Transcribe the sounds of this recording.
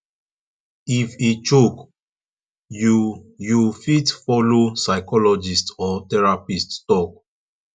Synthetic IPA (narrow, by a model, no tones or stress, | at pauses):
ifit͡ʃok | ujufitfɔlosaɪkɔlɔd͡ʒistɔtɛɹapisttɔk̚